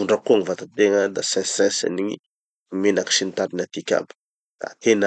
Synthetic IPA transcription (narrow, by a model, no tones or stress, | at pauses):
uɳɖ͡ʐakuaŋivat̪at̪eŋad̪asɛ̃sɛ̃sa̰niɲḭ | imenaki̥ʃinit̪aɾinat̪ikʲa̰bi̥ | d̪̥a̰t̪en